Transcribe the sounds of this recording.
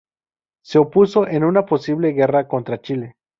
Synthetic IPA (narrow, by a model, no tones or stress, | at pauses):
se̞opuso̞ʔe̞nunapo̞siβle̞ɣe̞rako̞nt̪ɾat͡ʃile̞